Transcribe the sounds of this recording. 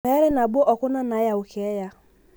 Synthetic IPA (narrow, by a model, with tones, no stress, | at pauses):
ɛ˨˦ɾɪ˦na˨bo˦ʔɔ˨kʊ˦na˦na˨˦ja˨ʊ˨kʰɛ˨˦ja˦